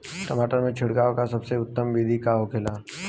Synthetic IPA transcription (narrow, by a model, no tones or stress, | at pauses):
ʈɐmaːʈəɾmẽt͡ʃʰɪɽkaːokasɐbseʊt̪ːəmbiːd̪ʱikaɦokʰelaː